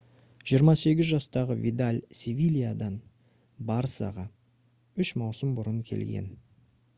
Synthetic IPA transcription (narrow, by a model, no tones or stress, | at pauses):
ʒ̥ijəɾmɑse̞ɡʲɪzʒɑst̪ɑʁəvʲḭd̪alʲsʲevʲilʲijad̪ɑn | bɑɾsɑ̰ʁɑ | ʏʃmɑwsəmbʊɾəŋkʲʰe̞̰lɡʲḛn